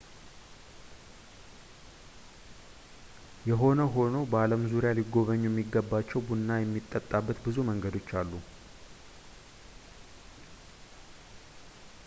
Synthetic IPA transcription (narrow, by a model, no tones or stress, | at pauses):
jɛɦo̞nəɦo̞no̞bəaləmzuɾjaliɡo̞βəɲːujɛmːiɡːəbːat͡ʃːɛwbunːajɛmːit̪ʼːət̪ʼːabːət̪bɨzuməŋɡəd̪o̞t͡ʃːalːu